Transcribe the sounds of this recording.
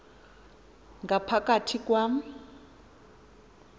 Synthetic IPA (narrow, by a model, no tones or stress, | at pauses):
ŋɡapʰakʼatʰikwam̩